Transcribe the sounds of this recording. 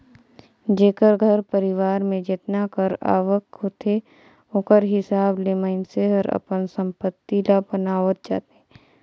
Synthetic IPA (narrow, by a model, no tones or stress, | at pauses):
d͡ʒeːkəɾɡʱəɾpəɾɪʋaːɾmẽd͡ʒet̪nakəɾa̰ːʋəkɦot̪e | õkəɾɦɪsaːbleməɪnseɦəɾə̰pənsə̃mpət̪ːilabənaːʋət̪̚d͡ʒa̰ːt̪eɛ